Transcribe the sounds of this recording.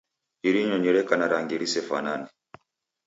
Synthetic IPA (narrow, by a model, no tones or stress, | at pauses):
iɾiɲɔɲɛɾɛkanaɾaŋɡiɾisɛfa̰nani